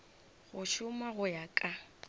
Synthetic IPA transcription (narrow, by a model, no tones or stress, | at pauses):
ɣʊʃʊmaɣʊjakʼa